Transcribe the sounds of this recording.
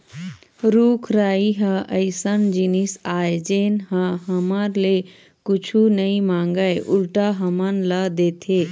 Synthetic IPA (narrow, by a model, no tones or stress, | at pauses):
ɾukʰɾaiɦəəjsənd͡ʒinisajd͡ʒenɦə̃ɦəmaɾle | kut͡ʃʰunəimaŋɡəjʔulʈaɦəmənləd̪et̪ʰe